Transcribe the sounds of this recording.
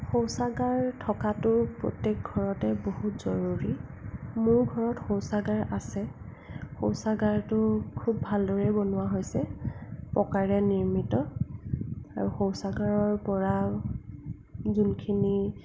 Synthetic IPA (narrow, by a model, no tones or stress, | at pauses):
xowsaɡaɹtʰɔkatʊpɹo̰tek̚ɡʱɔɹɔtɛbohutz̥ɔɹuɹimʊɹɡʱɔɹɔtxowsaɡaɹʔasɛ | xowsaɡaɹtʊkʰubːʱaldɔɹɛbonʊwaɦojsɛpɔkaɹɛniɹmitɔ | a̰ɹuxowsaɡaɹɔɹpɔɹa | zunkʰini